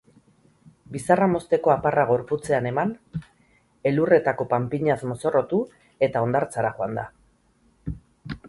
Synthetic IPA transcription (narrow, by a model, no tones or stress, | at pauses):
bisaramo̞st̪e̞ko̞aparaɣ̞o̞ɾput͡se̞ane̞man | e̞lure̞t̪ako̞pampiɲasmo̞so̞ro̞t̪u | e̞t̪ao̞nd̪aɾt͡saɾaʝoand̪a